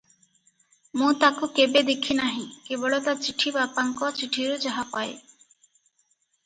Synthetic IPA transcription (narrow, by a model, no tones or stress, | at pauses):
mũt̪akukebed̪ekʰinaɦĩkebɔɭot̪at͡ʃiʈʰibapaŋkɔt͡ʃiʈʰiɾud͡ʒaɦapae